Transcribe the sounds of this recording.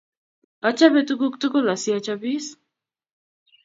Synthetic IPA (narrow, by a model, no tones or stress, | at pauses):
at͡ʃaβet̪uɡukt̪ukolasiat͡ʃabis